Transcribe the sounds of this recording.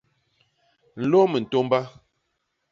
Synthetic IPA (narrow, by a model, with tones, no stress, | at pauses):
n̩˨lɔ˦mə˨n̩˨to˦m˦ba˦